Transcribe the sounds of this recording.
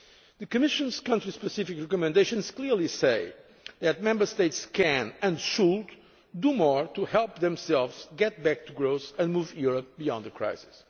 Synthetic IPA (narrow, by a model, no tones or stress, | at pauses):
ðɨkɨmɪʃɨ̃nz̥kʌ̃ntɹispɨsɪfikɹɛkɔmɨ̃nd̪eɪʃɔ̃nz̥kliɹliseɪ | ðɨt̪̚mɛ̃mbə˞st̪eɪtskʰɛ̃nɨ̃nʃud | d̪umɔɹt̪uhɛlˠpðɛ̃msɛlˠvz̥ɡɛt̪̚bæk̚t̪ʰuɡɹoʊsɨ̃nmuvjuɹəp̚bijɔ̰̃nd̪ðəkʰɹa̰ɪsɪ̥s